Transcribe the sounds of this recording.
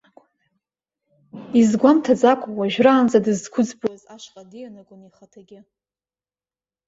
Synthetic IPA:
izɡʷamtʰad͡zʼakʷʰʼawaʒᶣraːnd͡zadɨzkʷʰʊd͡zbwazaʃqʼadɨjanaɡʷʼʊniχatʰaɡʲɪ

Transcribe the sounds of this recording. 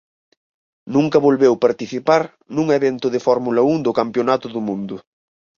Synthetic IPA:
nũŋkɐβolβewpaɾt̪iθipaɾ | nuŋeβent̪ʊðɪfɔɾmulɐuŋd̪ʊkampjonat̪ʊðʊmũnd̪ʊ

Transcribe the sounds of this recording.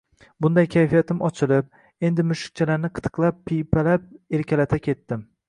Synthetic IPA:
bʊnd̪ajkʲʰajfijat̪ʰɪmɒt͡ʃʰɪlɪp̚ | e̞nd̪ɪmʊʃɪ̥k̚ʲt͡ʃʰalaɾnɪqʰɨ̥t̪ʰɨ̥qlˠapːipʰalap̚e̞ɾkʲalat̪ʰakʲʰe̞t̪ːɪm

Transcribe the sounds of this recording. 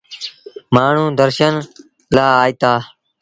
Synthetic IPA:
maːɳ̤ũːd̪əɾʃən | laːiːt̪aː

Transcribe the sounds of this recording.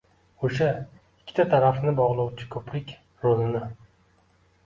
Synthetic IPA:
oʃa | ɪkʲʰːɪ̥t̪ʰat̪ʰaɾafnɪbɒʁlˠɒwt͡ʃʰɪ̥kʰɵpɾɪkʲ | ɾolɪnɪ

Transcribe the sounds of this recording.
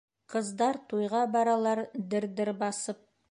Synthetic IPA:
qʰəzd̪ɑɾt̪ʰujʁɑbɑɾɑlˠɑɾd̪ɪɾd̪ɪɾbɑsəp̚

